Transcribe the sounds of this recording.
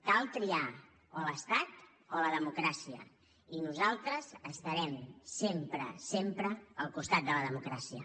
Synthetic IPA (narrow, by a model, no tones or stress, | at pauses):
kalˠt̪ɾia | ələst̪at̪ | oləðəmukɾasiə̰ | inuzalˠt̪ɾəzəst̪əɾɛmsempɾə̰sempɾəəlˠkust̪at̪̚d̪ələðəmukɾasiə̰